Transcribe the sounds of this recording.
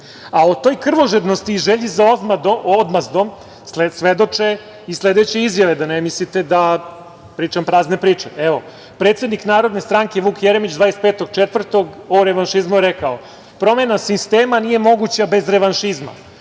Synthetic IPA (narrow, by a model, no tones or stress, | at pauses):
aot̪o̞ːjkr̩ʋo̞ʒed̪nost̪iːʒeʎizaomad̪ood̪mazd̪om | ssʋed̪o̞t͡ʂe | isled̪et͡ɕe̞izjaʋe̞d̪anemislit̪ed̪a | pɾiːt͡ʃampɾaːznepɾiːt͡ʂeeʋo̞ | pɾet̪sed̪niknaːɾo̞d̪ne̞st̪ɾaŋke̞ʋuːkjeɾemit͡ɕd̪ʋaːjest̪peːt̪o̞ɡt͡ʃet̪ʋvr̩t̪o̞ɡoɾeʋanʃizmuɾekao | pɾo̞menasist̪eːmanije̞mo̞ɡut͡ɕabe̞zɾeʋanʃizma̰